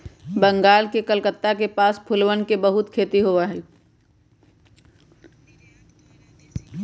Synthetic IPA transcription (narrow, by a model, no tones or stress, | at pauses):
bə̃ŋɡaːlkekəlkət̪ːakepaːspʰʊlʋənkebəɦʊt̪kʰeːt̪iɦoʋaɦɛ